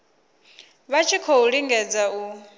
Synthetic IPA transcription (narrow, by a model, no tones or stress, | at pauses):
βat͡ʃʰikʰouɺiŋɡɛd͡zau